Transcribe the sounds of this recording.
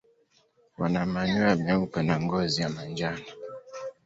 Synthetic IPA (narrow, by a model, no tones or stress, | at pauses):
wanamaɲwamɛupɛnaŋɡɔzijamand͡ʒana